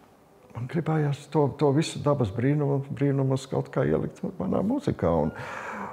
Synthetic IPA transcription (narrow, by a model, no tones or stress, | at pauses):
manɡɾibɛːjaːst̪uɔt̪uɔvisʊd̪abɐsbɾiːnumubɾiːnumuska̰ʊt̪kaːḭɛlʔḭk̚t̪mana̰ːmuzikaːṵn